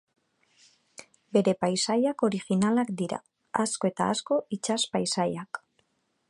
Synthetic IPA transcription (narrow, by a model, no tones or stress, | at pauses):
be̞ɾe̞pajsajako̞ɾixinalakd̪iɾa̰ | asko̞e̞t̪a̰asko̞it͡ʃaspajsajak